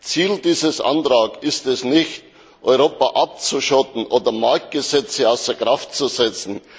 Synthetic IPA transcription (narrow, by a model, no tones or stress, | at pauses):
t͡siːldiːzəsʔa̰ntʁaːkɪstɛsnɪçt | ʔɔʏʁoːpaʔap̚t͡suʃɔtn̩ʔoːdɐmaɾk̚t̚ɡ̥əzɛt͡səaʊsəɐɡʁaftt͡suzɛt͡sn̩